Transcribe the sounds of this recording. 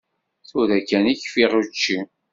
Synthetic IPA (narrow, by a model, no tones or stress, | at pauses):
θuðækːæniçfiʁut͡ʃːi